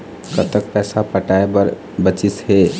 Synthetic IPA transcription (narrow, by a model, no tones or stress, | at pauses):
kət̪ək̚pɛːsapəʈaebəɾ | bət͡ʃisɦe